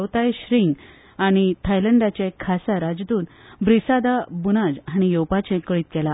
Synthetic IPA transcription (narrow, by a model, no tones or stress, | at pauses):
t̪ajɕɾiŋɡ | aɽ̃it̪ʰajləɳɖat͡ɕẽkʰasaɾad͡zd̪uːnbɾisad̪abunad͡zɦaɽ̃ijowpat͡ɕẽkəɭiːt̪̚ɡɛla